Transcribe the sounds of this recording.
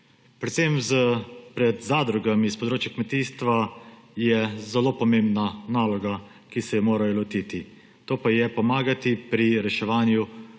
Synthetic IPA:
pɾɛt̪semzəpɾɛd̪zaːd̪ɾuɡamispɔd̪ɾoːt͡ʃjakmɛt̪iːst̪ʋajɛzɛloːpɔmembnanaːlɔɡa | kisɛjɛmoːɾajɔlɔt̪iːt̪i | t̪oːpajɛpɔmaːɡat̪ipɾiɾɛʃɛʋaːnju

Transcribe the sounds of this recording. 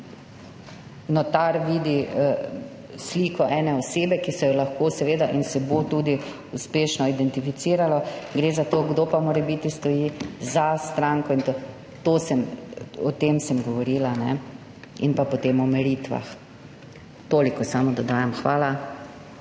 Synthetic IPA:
nɔt̪aɾʋiːd̪i | sliːkɔʔɛːnɛɔseːbɛkisɛjɔlaxkoːsɛʋeːd̪aʔinsɛbot̪uːd̪i | uspeːʃnɔid̪ɛnt̪ifit̪siːɾalɔɡɾezat̪oːɡd̪oːpamoːɾɛbit̪ist̪ɔjiːzast̪ɾaŋkɔint̪o | t̪oːsɛmɔt̪emsɛmɡɔʋɔɾiːlanɛ̰ | ḭnpapɔt̪eːmɔmɛɾiːt̪ʋa̰x | t̪oːlikɔsamɔd̪ɔd̪aːjɛmxʋaːla

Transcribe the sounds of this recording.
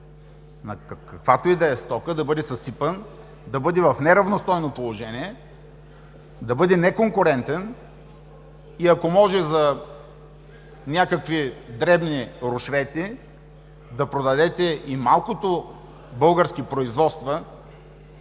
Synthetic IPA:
nɐkkɐkvat̪oid̪ɛɛst̪ɔkəd̪ɐbɤd̪ɛsɐsipən | d̪ɐbɤd̪ɛvɐfnɛɾɐvnost̪ɔjnopolˠoʒɛniɛ | d̪ɐbɤd̪ɛnɛkoŋkʊɾɛnt̪ɛn | iɐkomɔʒɛzɐ | nʲakəkvid̪ɾɛbniɾʊʃvɛt̪i | d̪ɐpɾod̪ɐd̪ɛt̪ɛimalˠkot̪o | bɤlˠɡəɾsk̟ipɾoizvɔt̪st̪vɐ

